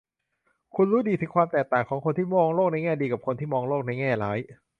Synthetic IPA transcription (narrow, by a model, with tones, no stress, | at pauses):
kʰu˧nɾuː˦˥diː˧t̪ʰɯ˨˧˥ŋkʰwaː˧mt̪ɛː˨˩k̚t̪aː˨˩ŋkʰɔː˩˦ŋkʰo˧nt̪ʰiː˥˩mɔː˧ŋloː˥˩k̚na˧jŋɛː˥˩diː˧ka˨˩p̚kʰo˧nt̪ʰiː˥˩mɔː˧ŋloː˥˩k̚na˧jŋɛː˥˩laː˦˥j